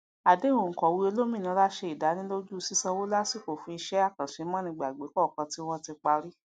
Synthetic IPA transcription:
a˨de˨˦wõ˨ŋ̩˨kɔ˨wi˧˦e˧lo˦mĩ˦˨nĩ˨˧˦la˦ʃe˧i˨da˨˦nĩ˦lo˦d͡ʒu˦˧si˦sã˧wo˦la˦si˦˨ko˨fũ˧i˧ʃɛ˦a˦˨kã˨ʃe˨˧˦mɔ̃˦nĩ˧ɡ͡ba˨ɡ͡be˨˦kɔ˦˨kã˨˧ti˦w̃ɔ̃˦ti˧k͡pa˧ɾi˦

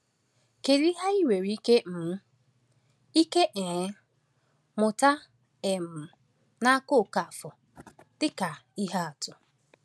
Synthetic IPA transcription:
ke˨ɾi˦ɦa˦i˦we˨ɾi˦ke˦m̩˨˦ | i˦ke˦ʔe˨˦ | mʊ˨ta˦ | e˨m̩˨ | na˦kʊ˦˨ka˨fɔ˨ | d̥ɪ˦ka˨i˦ɦa˦a˨tʊ˨

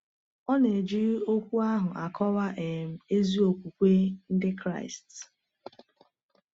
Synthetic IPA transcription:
ɔ˦ne˨d͡ʒi˦ɾo˦kʷu˦a˦ɦʊ˨ʔa˨kʰɔ˦wa˦ʔe˨m̩˨e˦zi˦o˨kʷu˨kʷe˦n̩˦dɪ˦kɾa̰˦ɪ˨st

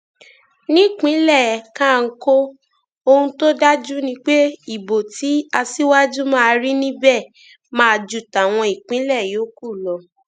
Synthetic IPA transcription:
nĩ˦˨k͡pĩ˨˦lɛ˦˨kã˦˨˧ŋ̩˧˦ko˦ | o˧hũ˧to˦da˦d͡ʒu˦nĩ˧˦k͡pe˦i˦˨bo˨ti˨˦a˧si˦wa˦d͡ʒu˦mãː˦˧ɾi˦nĩ˦bɛ˦˨ | mãː˦˧d͡ʒu˦˨ta˨w̃ɔ̃˧i˨k͡pĩ˨˦lɛ˦˨joː˨˦ku˦˨lɔ˧

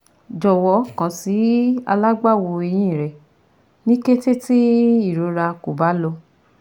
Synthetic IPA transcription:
d͡ʒɔ˨wɔ˨˦kã˨si˨˦a̰˧la˦ɡ͡ba˦˨wo˧e˧j̃ĩ˦˨ɾɛ˨ | nĩ˦ke˦te˦ti˦i˦˨ɾo˨˦ɾa˧ko˨ba˨˦lo˧

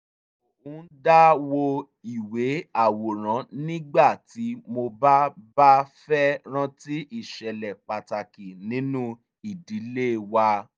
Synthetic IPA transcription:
o˨hũ˨˦n̩˦da˦wo˧ | i˨we˨˦a˦˨wo˨ɾ̃ã˨˦nĩ˦ɡ͡ba˦˨ti˨˦mo˧ba˦ba˦fɛ˦ɾ̃ã˦ti˦ʔi˦˨ʃɛ˨lɛ˨k͡pa˨ta˨ki˨nĩ˨˦nũ˦ | i˦˨di˨˦le˦wa˧

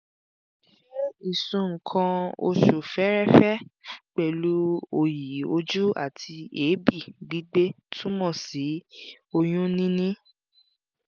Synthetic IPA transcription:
ɛ˦i˨sũ˨˧ŋ̩˨kʰã˧o̰˧ʃu˨fɛ˨˦ɾɛ˦˨fɛ˦k͡pɛ˨lu˨˦o˧ji˨˦o˧d͡ʒu˦a̰˦˨tʰi˧e˨˦bi˦˨ɡ͡bi˨˦ɡ͡be˦ | tʰũ˦mɔ̃˦˨si˨˦ | o˧j̃ũ˦nĩ˦nĩ˦

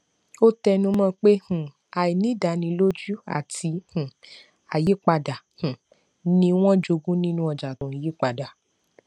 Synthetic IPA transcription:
o˦tɛ˧nũ˧˦mɔ̃˧k͡pe˦hũ˨ | a˨i˨nĩ˦da˨nĩ˧˦lo˦d͡ʒu˦a̰˦˨ti˧˦hũ˨ | a˨ji˨˦k͡pa˧da˨hũ˨ | nĩ˦w̃ɔ̃˦d͡ʒo˧ɡũ˦nĩ˦nũ˦ɔ˧˨d͡ʒa˨tũ˨ji˨˦k͡pa˨da˨

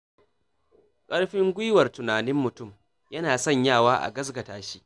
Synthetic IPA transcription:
kʼɐ˦ɽɸɪ˦ŋɡʷʊ˦jwɐ˨rtʊ˨naː˨nɪ˦mːʊ˨tʊ˦˨m | jɐ˦naː˨sɔ˦˨ɲjaː˦˨waː˦ʔa̰˨ɡɐ˦s̬ɡɐ˨taː˨ʃi̥˦ʔ

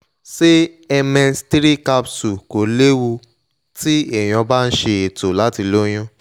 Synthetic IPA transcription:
se˦ɛ˧mɛ̃˧nstɾi˦ka˦psu˨ko˨le˦wu˧ | ti˦e˦˨j̃ɔ̃˧ba˦˧n̩˦ʃe˧e˨to˨la˨˦ti˧lo˦j̃ã˦

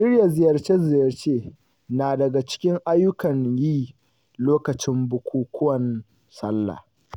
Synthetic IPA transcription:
ʃɪ˦rja˨zɪ˨jɐ˨rt͡ʃeː˦zɪ˨jɐ˨rt͡ʃeː˦ | naː˨dɐ˨ɡa˨t͡ʃɪ̥˦kʲɪ˦ŋʔa˦jːʊ˦kɐ˨ɲjiː˦ | loː˦kɐ˨t͡ʃɪ˦mbʊ˨kʷuː˦kʷʰʊ˦wɐ˨n | sɐ˦lːa̰ː˨

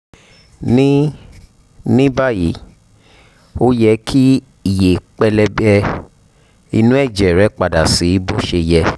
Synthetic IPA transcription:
nĩ˦ | nĩ˦ba˦˨ji˨˦ | o˦jɛ˧kʰi˦ | i˨je˨k͡pɛ˧lɛ˧bɛ˧ | i˧nũ˦ɛ˦˨d͡ʒɛ˨ɾɛ˨˦k͡pa˨da˨si˨˦bo˦ʃe˧jɛ˧

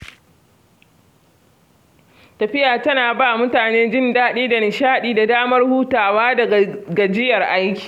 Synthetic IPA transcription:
tɐ˨ɸɪ˦jaː˨tɐ˦naː˨baː˦˨mʊ˦taː˨neː˦d͡ʒɪ˦ndaː˦ɗiː˦da˨nɪ˨ʃaː˦ɗiː˦da˨daː˦mɐ˦rhuː˦taː˨waː˦dɐ˨ɡa˨d͡ʒɪ˦jɐ˨rʔa˦jkʲi̥ː˨

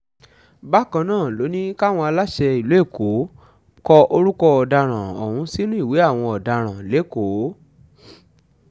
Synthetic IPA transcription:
ba˦kã˧nãː˦˨lo˨˦nĩ˦ka˦w̃ɔ̃˧a˧la˦ʃɛ˧i˨lo˨˦e˦˨ko˨˦ | kɔ˧o˧ɾu˦kɔ˧ɔ˨da˧ɾ̃ã˨o̰˨hũ˨˧˦si˦nũ˦i˦˨we˨˦a˦˨w̃ɔ̃˧ɔ˨da˧ɾ̃ã˨le˨˦˨ko˨˦

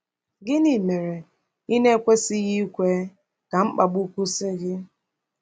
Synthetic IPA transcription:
ɡɪ˦ni˨me˨ɾe˨ | i˦ne˦kʷe˦sɪ˦ɣi˦kʷe˦ | ka˨m̩˦k͡pa˨bu˦kʷu˦sɪ˦ɡɪ˦

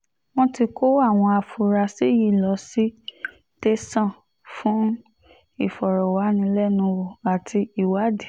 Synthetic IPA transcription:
w̃ɔ̃˧ti˧ko˦a˦˨w̃ɔ̃˧a˧fu˨˧ɾa˧si˦ji˦˨lɔ˨˧˦si˦ | te˦sã˦˨ | fũ˦ | i˦˨fɔ˨ɾɔ˨wa˨˦nĩ˧˦lɛ˦˨nũ˧wo˨a˨tʰi˧i˨wa˨˦de˨

